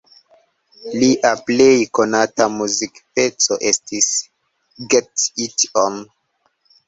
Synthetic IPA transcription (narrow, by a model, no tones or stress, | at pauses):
liʔaple̞jko̞natamuzikpe̞t͡soʔe̞stis | ɡetitom